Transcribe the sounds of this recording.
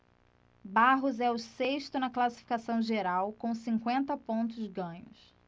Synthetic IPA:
baɦʊzɛʊseʃt̪ʊnɐklasi̥fi̥kasɐ̃w̃ʒeɾawkõw̃sĩŋkwẽnt̪ɐpõnt̪̬ʊzɡɐ̃ɲʊs

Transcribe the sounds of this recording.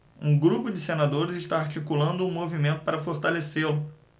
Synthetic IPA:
ũɡɾupʊd͡ʒɪsenad̪oɾɪzɪʃt̪aaɾt͡ʃikulɐ̃nd̪ʊũmovimẽnt̪ʊpaɾɐfoɾt̪aleselʊ

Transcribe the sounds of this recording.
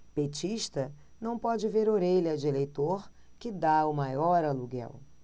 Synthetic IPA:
pet͡ʃiʃt̪ɐ | nɐ̃w̃pɔd͡ʒɪveɾoɾeʎɐd͡ʒɪelejt̪oɾ | kɪd̪aʊmajɔɾɐluɡɛ̰w

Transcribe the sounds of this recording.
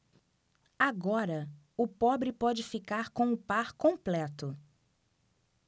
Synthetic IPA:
aɡɔɾɐ | ʊpɔbɾɪpɔd͡ʒɪfikaɾkõw̃ʊpaɾkõmplɛt̪ʊ

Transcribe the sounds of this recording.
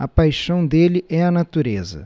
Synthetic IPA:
ɐpajʃɐ̃w̃d̪elɪɛɐnat̪uɾezɐ̰

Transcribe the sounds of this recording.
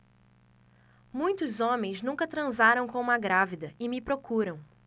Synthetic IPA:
mũj̃t̪ʊzõmẽj̃znũŋkɐt̪ɾɐ̃zaɾɐ̃w̃kõũmɐɡɾavid̪ɐɪmɪpɾokuɾɐ̃w̃

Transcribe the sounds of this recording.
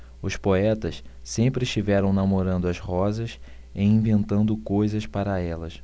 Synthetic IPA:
ʊspoɛt̪ɐs | sẽmpɾɪɪʃt͡ʃivɛɾɐ̃w̃namoɾɐ̃nd̪ʊɐshɔzɐs | ɪĩvẽnt̪ɐ̃nd̪ʊkojzɐspaɾɐɛlɐs

